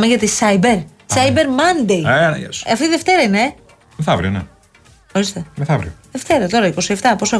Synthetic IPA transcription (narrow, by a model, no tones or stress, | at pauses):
meʝɐt̪isɐjbeɾ | sɐjbeɾmɐnd̪ejɐnɐ̰jɐ̰sɐft̪it̪iðeft̪e̞ɾɐine̞ | meθɐvɾḭonḛ | o̞ɾist̪e̞meθɐvɾḭoðe̞ft̪e̞ɾɐt̪o̞ɾɐiko̞sie̞ft̪ɐpo̞so